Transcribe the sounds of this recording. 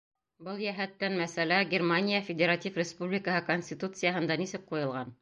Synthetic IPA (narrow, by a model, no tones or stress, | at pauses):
bɤlˠjæɦæt̪ːænmæsælæɡʲɪrmanʲijəfʲɪdʲeɾatʲifrʲɪspublʲɪkəɦɤkonʲsʲt̪ʲit̪ut̪sɨjaɦɤ̆nd̪ɑnisɘk̚qujɤ̆lˠʁɑn